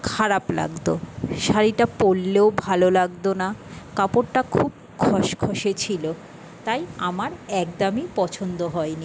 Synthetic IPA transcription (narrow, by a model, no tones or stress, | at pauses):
kʰaɾapla̰ɡd̪oʃaɾiʈapolːeobʱalolaɡd̪onakapoɾʈakʰub̚ | kʰɔʃkʰoʃet͡ɕʰilo | t̪ajamaɾɛk̚d̪amipɔt͡ɕʰond̪oɦɔeni